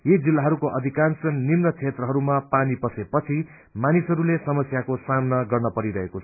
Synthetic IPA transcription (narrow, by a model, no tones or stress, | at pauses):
jed͡zilːaɦʌɾukoʔʌd̪ʱikansʌnːimnʌt͡sʰet̪rʌɦʌɾumapanipʌsepʌt͡sʰi | manisɦʌɾulesʌmʌsjakosamnʌɡʌrnʌpʌɾiɾʌɦekot͡sʰʌ